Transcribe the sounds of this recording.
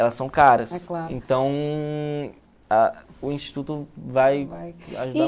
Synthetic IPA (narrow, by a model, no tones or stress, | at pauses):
ɛlɐsːɐ̃w̃kaɾɐsklaɾḛ̃nt̪ɐ̃w̃ | ɐʊĩʃt͡ʃi̥t̪ut̪ʊvajaʒud̪a